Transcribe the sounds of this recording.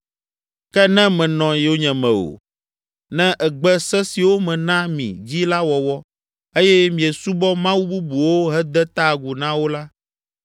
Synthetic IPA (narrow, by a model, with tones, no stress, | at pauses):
kɛ˦nɛ̃˦mɛ̃˨nɔ̃˨jɛ˨wo˦ɲɛ̃˨mɛ̃˨o̰˨ | nɛ̃˦ʔɛ˨ɡ͡bɛ˦sɛ˦si˨wo˦mɛ̃˨nã˦mḭ̃˨d͡ʑi˦la˦wɔ˨wɔ˦ | e˦jɛ˦mĩ˨ɛ˨su˦bɔ˦mã˦wu˦bu˦bu˨wo˦ɦɛ˦d̪ɛ˦t̪a˦˨ɡu˨nã˦wo˦la˦